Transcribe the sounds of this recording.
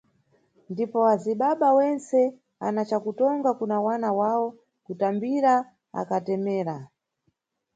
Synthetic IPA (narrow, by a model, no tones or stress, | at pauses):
ndipɔaziɓaɓawɛnt͡sɛ | a̰nat͡ʃakutɔŋɡakunawanawaɔ | kutambiɾa | a̰katɛmɛːɾa